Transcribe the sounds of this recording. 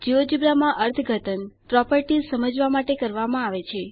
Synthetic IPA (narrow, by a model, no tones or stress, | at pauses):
d͡ʒiʋod͡ʒibɾamãʔəɾt̪ʰəɡʱət̪ənpɾɔpəɾʈizsəməd͡ʒʋamaʈekəɾʋamãaʋet͡ʃʰe